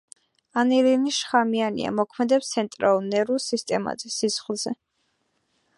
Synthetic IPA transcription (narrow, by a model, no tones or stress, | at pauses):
aniɾiniʃχamianḭa̰mɔkʰmɛd̪ɛpst̪sʰɛnt̪ʼɾalˠulˠnɛɾusist̪ʼɛma̰zɛsisχlˠzɛ